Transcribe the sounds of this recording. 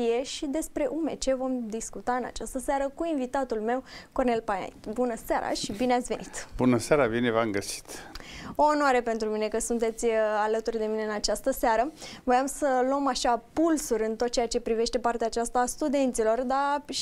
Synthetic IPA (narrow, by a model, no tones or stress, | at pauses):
ije̞ʃid̪e̞spɾe̞ʔume̞t͡ʃe̞vo̞md̪iskut̪aɨna̰t͡ʃast̪əsaɾəkuinvit̪at̪ulme̞wko̞rne̞lpaja̰jt̪bunəseaɾa̰ʃibineat̪sʲve̞nit̪bunəseaɾabinevamɡəsi̥t̪o̞ːnoaɾepe̞nt̪ɾumine̞kəsunt̪e̞t̪sʲalət̪urʲd̪e̞mineɨnat͡ʃast̪əseaɾəvo̞jamsəlomaʃapulsurʲɨnt̪o̞t̪̚t͡ʃejat͡ʃe̞pɾive̞ʃt̪e̞part̪eaːt͡ʃast̪aːst̪ud̪e̞nt̪silo̞rd̪a